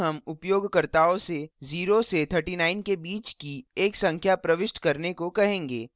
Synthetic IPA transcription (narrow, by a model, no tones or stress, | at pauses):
ɦɐmʊpjoːɡkɐɾt̪aːõseziːɾoset̪ʰəɾʈinaːɪnkebiːt͡ʃkieːksɐ̃ŋkʰjapɾɐʋɪʃʈkɐɾnekokɐɦẽːŋɡeː